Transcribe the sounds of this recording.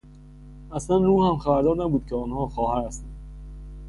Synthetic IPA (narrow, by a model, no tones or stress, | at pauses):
ʔæslænruːhæmxæbæɾd̪ɒːɾnæbuːd̪̚cʰeɒːnhɒːxɒːhæɾæst̪ænd̪